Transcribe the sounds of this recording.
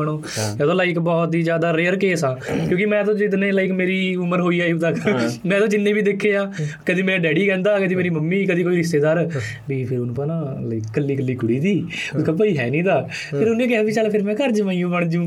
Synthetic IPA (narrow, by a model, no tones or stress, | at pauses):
əɽ̃oː | jaːt̪oːlaːɪkbɔːt̪ɦiːd͡ʒjaːd̪aːɾeːəɾkeːsãːkjõːkɪmɛ̃ːt̪õːd͡ʒɪt̪nẽːlaːɪkmeːɾiːʊməɾɦoːiːaːit̪əkmɛ̃ːt̪õːd͡ʒɪnːẽːbiːd̪ekʰːeːaːkəd̪iːmeːɾaːɖɛːɖiːkɛ̃ːnd̪aːkəd̪iːmeːɾiːməmːiːkəd̪iːkoːiːɾɪst̪eːd̪aːɾ | biːpʰɪɾʊnũːpaːnãːlaːɪkkəlːiːkəlːiːkʊɽiːt̪iːʊskaːpəiːɦɛ̰ːnĩːd̪aː | pʰɪɾʊnːẽːkɪɦaːbiːt͡ʃəlpʰɪɾmɛ̃ːkəɾd͡ʒʋãːijũːbəɳ̃d͡ʒũː